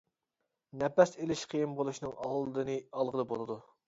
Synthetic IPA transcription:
nɛpɛselɪʃqʰijimbolˠuʃnɨŋɑllˠɨd̪ɨnɨɑlˠʁəlˠɨbolˠɨd̪u

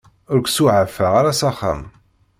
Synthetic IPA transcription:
ʊɾkʷsuʕəfːaʁaɾasaχa̰m

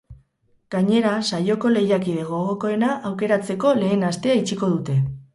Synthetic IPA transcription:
ɡ̥aɲe̞ɾasajo̞ko̞le̞jakiðe̞ɣo̞ɣoko̞e̞naʔawke̞ɾat͡se̞ko̞le̞ːnast̪e̞ait͡ʃiko̞ðut̪e̞

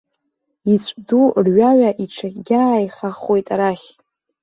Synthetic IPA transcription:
it͡ɕʷʰʼdurɥaʕaʔiʈ͡ʂʰaχʲɡʲaːjχaχwe̞jtʼaɾaχʲ

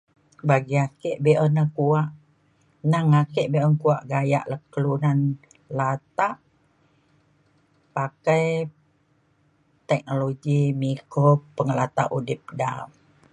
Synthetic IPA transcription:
baɡiakeʔbeʔənəkuaʔ | naŋakeʔbeʔənkuaʔɡaja̰ʔləkəlunan | lat̪aʔ | pakaj | t̪ɛk̚noloɡimikopəŋəlat̪a̰ʔudɪp̚dam

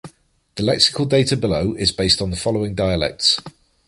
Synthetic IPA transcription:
ðəlɛksɪ̥kʰəlˠdeɪtʰəbɪləʊʔɪzbeɪstn̩ðəfɒləʊɪ̃ŋdaɪəlɛ̰k̚ts

